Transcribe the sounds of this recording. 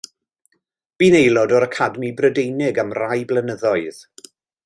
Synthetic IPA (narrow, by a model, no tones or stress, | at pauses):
b̥iːnejlˠɔdɔɾəkʰadmibrədejnɪɡamrajblənəðɔɨð̥